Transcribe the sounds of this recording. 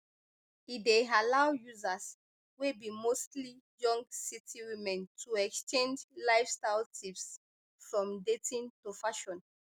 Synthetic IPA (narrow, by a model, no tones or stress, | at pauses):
idealawjuzas | webimostli | jɔ̃ŋɡsitʰiwimɛ̃ntʰuɛkst͡ʃẽnd͡ʒlaɪfstaɪltʰips | fɹɔ̃mdetĩntufaʃɔ̃n